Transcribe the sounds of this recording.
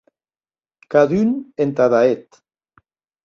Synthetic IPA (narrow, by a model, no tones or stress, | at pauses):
kaðynent̪aðaet̪